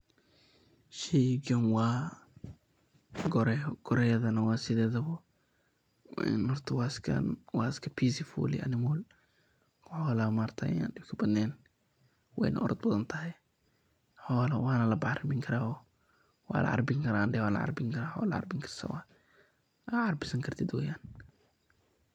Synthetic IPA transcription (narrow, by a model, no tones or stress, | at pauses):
ʃɛjɡɐnwaː | ɡɾɡ̥ɔɾɛjɐðɐnɐwaːsɪðɛːðɐβɔ | ɪ̰nɔrt̪ʰɐwaskʰɐ̰waːskʰɐpʰiːs̬ɪfṵlɪ̰ʔɐ̰nɪmɔːl | ħɔːlamaːɾt̪ʰa̰ɪ̰ja̰ːndɪbkʰɐbɐd̪nɛːn | wɛ̰ːjnɐ̰ɔ̰ɾɔd̪̚bɐðɐnt̪ʰɐɦɛj | ħɔːlɐwaːnɐlɐbaʕɾmɪŋkʰɐɾaːɔ | wa̰ːlʔɐ̰ʕɑ̰ɾbɪŋkʰɐɾaːnɖɛːwaːlɐ̰ʕɑ̰rbɪŋkʰɐɾaːħɔ̰ːlɐʕɑ̰rbɪŋkʰɐ̥rsɐ̰waː | ʕɑrbɪsɐŋkʰɐrt̪ʰɪd̪wɛjaːn